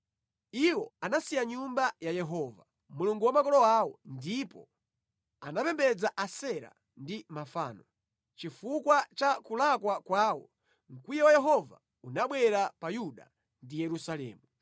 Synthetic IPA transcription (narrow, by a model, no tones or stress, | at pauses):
iwɔanasijaɲumbajajɛɦɔva | muluŋɡuwamakɔlɔawɔndipɔ | anapɛmbɛd͡zaʔasɛɾa̰ | ndimafa̰ːnɔ | t͡ʃifukwat͡ʃakulakwakwaːwɔ | ŋ̩kwijɛwajɛɦɔva̰ | unaɓwɛɾapajuɗa̰ | ndijɛɾusalɛ̰ːmu